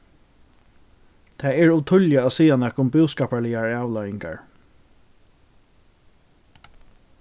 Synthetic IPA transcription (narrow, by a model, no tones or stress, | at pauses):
t̪ʰɛːɛɹʊt̪ʰʊljəːsiːanœhkʊmbuːskaːpaɹɭɪaɹaːʋlɔjɪŋka̰ɹ